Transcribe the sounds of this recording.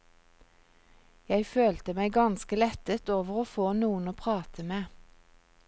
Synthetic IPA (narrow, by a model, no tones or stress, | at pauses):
jæɪføːlt̪əmæɪɡɑnskəlɛt̪ət̪oːʋəʁoːfoːnuːənoːpʰʁɑːt̪ʰəmeː